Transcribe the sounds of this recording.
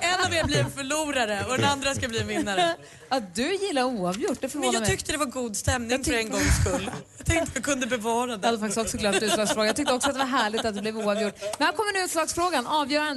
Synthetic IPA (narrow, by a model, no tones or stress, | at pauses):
ɛnaveːbliːfœɭuːɾaɾəɔd̪ɛnand̪ɾaskabliːnvɪnːaɾə | ad̪ɵjɪlːaɾuːɑvjʊʈːd̪ɛfœɾoːnmɛʏkt̪əd̪ɛvaɾɡuːd̪st̪ɛmnɪŋfœɾɛnɡɔŋːskɵlːt̪ʰɛŋkt̪ədakʰɵnd̪əbɛvɑːɾad̪ɛhad̪ɛfakt̪ɪst̪ɔksɔɡlœt̪ʉːlɑːɡsfɾoːɡajɑt̪ʏkt̪əɔksɔat̪d̪ɛvaɾɦæːɭɪɡt̪at̪̚d̪ɛblɛvuːavjʊʈːnɛnhæɾkʰɔmːəɾnʉʉ̟ːt̪slɑːɡsfɾoːɡanɑːvjœːɾan